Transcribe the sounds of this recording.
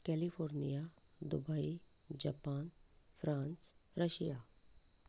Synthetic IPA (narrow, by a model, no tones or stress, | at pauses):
kɛːlipʰoːɾnija | d̪ṵbai | d͡ʒapaːn | pʰɾãːns | ɾəʃijaː